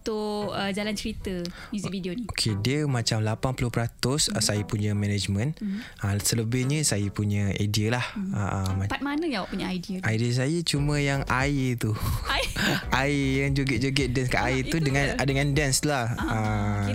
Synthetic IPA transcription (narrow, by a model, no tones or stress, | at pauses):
t̪uəd͡ʒalant͡ʃəɾit̪əmuzividioniokʰediəmat͡ʃamlapanpulʊhpɾat̪ʊssajəpuɲə̃mɛned͡ʒmə̃nʔəsələbɪhɲə̃sajəpuɲə̃a̰jdiəlahə̰ʔmapat̪̚manəjawaʔpuɲaajdiəajdiəs̬ajət͡ʃumə̃jaŋʔait̪u | ʔaijaŋd͡ʒuɡəd͡ʒoɡɛdɛnskaʔait̪udəŋãndəŋãndanslahə